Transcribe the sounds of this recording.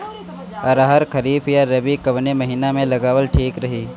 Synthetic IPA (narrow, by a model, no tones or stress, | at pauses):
ɔɾaɦəɾkʰəɾiːbjaɾɐbikɐʋnemɐɦiːnamẽlɐɡaːʋəlʈʰiːkɾɐɦiː